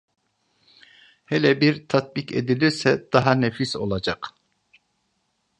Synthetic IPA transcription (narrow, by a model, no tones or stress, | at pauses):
hɛlʲɛbiɾt̪ʰat̪̚bikḛd̪ilʲiɾsɛd̪̥aɦanefiso̞̰lˠad͡ʒak